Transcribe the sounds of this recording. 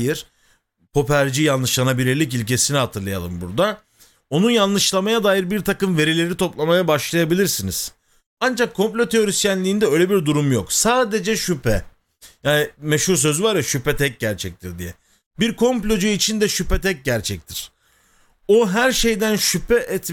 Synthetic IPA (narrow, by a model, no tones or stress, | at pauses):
jiɾ̥ | pʰo̞pæɾd͡ʒijanlːˠɯʃlˠanabiɾeɾlʲic̬ilʲce̞sinihat̪ʰɯɾlˠaja̰lˠɯ̰mbuɾd̪a | o̞nunjanːˠɯʃlˠamajad̪aːjɯɾbiɾt̪ʰakɯmve̞ɾilʲe̞ɾit̪ʰo̞plˠamajabaʃlˠajabilʲiɾsiniz̥ | and͡ʒakʰːo̞mplʲo̞t̪ʰeo̞ɾist̪jænlʲiːnd̪ɛøjlʲe̞biɾd̪uɾumjoksaːd̪e̞d͡ʒɛʃypʰɛ | jaːnimeʃhuɾs̬ø̞zyvaɾjaʃypɛt̪ʰɛc̚ɟæɾt͡ʃʰɛc̚t̪ʰiɾd̪ijɛ | biɾkʰo̞mplʲo̞d͡ʒyit͡ʃʰind̪ɛʃypɛt̪ʰɛc̚ɟæɾt͡ʃʰɛc̚t̪ʰiɾ̥ | o̞ɦæɾʃe̞jd̪ænʃypʰɛʔɛt̪